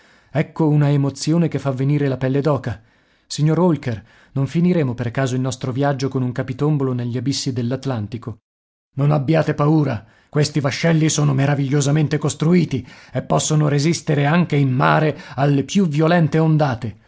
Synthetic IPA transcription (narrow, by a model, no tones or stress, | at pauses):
ɛkːounaemot̪sjoːnekefːavːeniːɾelapɛlːed̪ɔːka | siɲːoɾolker | noɱfiniɾeːmoperkaːzoilnɔst̪ɾovjad͡ʒːokonuŋkapit̪omboloneʎːiabisːid̪elːat̪lant̪iko | nonabːjaːt̪epauːɾa | kwest̪ivaʃːɛlːisoːnomeɾaviʎːozament̪ekost̪ɾuiːt̪iepːɔsːonoɾezist̪eɾeaŋk̟eimmaːɾealːepjuvjolɛnt̪eond̪aːt̪e